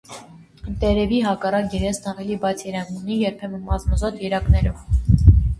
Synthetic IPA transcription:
t̪ɛɾɛviɦɑkɑrɑkjɛɾɛsnɑvɛlibɑt͡sʰjɛɾɑnnunijɛɾpʰɛmənmɑzməzɔt̪jɛɾɑknɛɾɔv

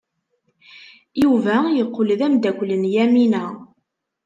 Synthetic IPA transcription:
juvæjəqːolðæmd̪ækʷlənjæminæ

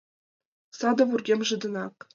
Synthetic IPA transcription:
sɑd̪ɤ̆vurɡʲemʲʐɯ̆d̪ɤ̆nɑk

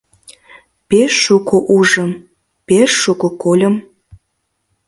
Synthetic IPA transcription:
peʃːukoʔuʒəm | peʃːukokolʲə̆m

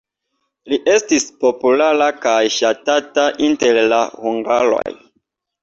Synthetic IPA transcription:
liʔe̞stispo̞pulaɾakajʃatataʔinteɾlahuŋɡaɾo̞̰j

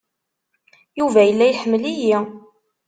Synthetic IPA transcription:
juvæjəlːæjħəmːəliji

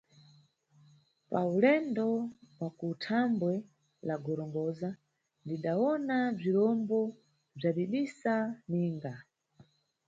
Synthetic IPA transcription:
paulɛndɔwakutʰambwɛ | laɡɔɾɔŋɡɔza | ndiɗawɔnab͡ʐiɾɔmbɔ | b͡ʐaɗiɗisaniːŋɡa

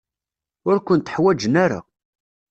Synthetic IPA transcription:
ʊɾkʷənt̪əħwæd͡ʒənæɾa̰

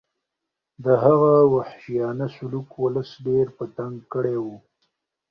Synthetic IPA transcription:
d̪əɦaɣawaħʃijɑnasʊlukwʊləsɖeɾpət̪aŋɡkəɽewu

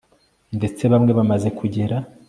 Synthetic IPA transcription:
nde̞t͡se̞βamŋe̞βamaze̞kʰuɟe̞ɾa

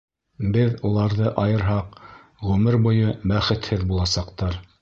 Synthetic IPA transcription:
bɘðulˠɑɾðɤʔɑjɤ̆ɾɦɑq | ʁʉmɘɾbujɤbæχɘ̆t̪hɘðbulˠɑsɑqt̪ɑɾ

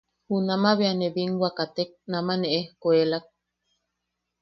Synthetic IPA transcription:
hunamaβeaneβiŋwʷakat̪ek̚namaneʔehkoelak̚

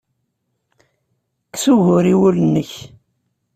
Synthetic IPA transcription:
ksuʝʊɾiwulənːəç

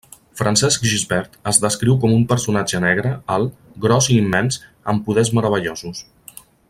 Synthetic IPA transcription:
fɾənsɛskʒizβɛɾt̪əzðəskɾiwkɔmumpəɾsunad͡ʒənɛɣ̞ɾəalˠɡɾɔziːmːɛnsəmpuðɛzməɾəβ̞əʎozus

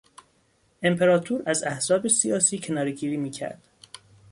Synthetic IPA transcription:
ʔe̞mpʰe̞ɾɒːt̪ʰuːɾæzæhzɒːbe̞sijɒːsiːcʰe̞nɒːɾeɟiːɾiːmiːcʰæ̰ɾd̪̥

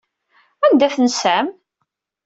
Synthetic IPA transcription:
ænd̪æθənsæm

